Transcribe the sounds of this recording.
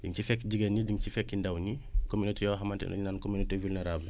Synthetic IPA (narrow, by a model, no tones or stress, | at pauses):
ɟiŋcifɛkːɟiɡɐniɟiŋt͡ʃifɛkːindɐwɲikominitɛjɔɦɐmɐntɛ̰nɐ̰ɲinaːnkominitevulnɛɾaːbl